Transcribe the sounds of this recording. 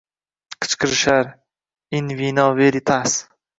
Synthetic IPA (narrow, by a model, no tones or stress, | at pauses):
qʰɨ̥t͡ʃqʰɨɾʃaɾ | ɪnvinɒveɾit̪ʰas